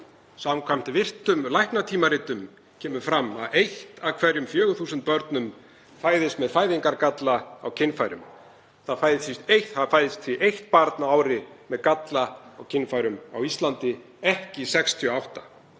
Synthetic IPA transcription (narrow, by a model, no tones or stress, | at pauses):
samkʰvam̥t̪ɪvɪr̥t̪ʏmlajhknat̪ʰiːmaɾɪːt̪ʏm | cʰɛːmʏfɾamːa̰ðejht̪akʰvɛɾjʏmfjœːɣʏθuːsʏnt̪̚pœɾt̪nʏm | faːjðɪst̪mɛðfaːjðiŋkaɾkat̪laawcʰɪnfaːjɾʏ̰m | θaðfaːjðɪsist̪ejht̪hafaːjðɪst̪fiʔejht̪̚paɾt̪naaːwɾɪmɛðkat̪laawcʰɪnfaːjɾʏma̰wist̪lant̪ɪ | ɛhcɪsɛkst̪ʰjʏɔawht̪ḁ